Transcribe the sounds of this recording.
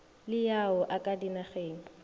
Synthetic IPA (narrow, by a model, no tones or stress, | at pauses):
lɪjaʊʔakʼadinaχeːŋ̩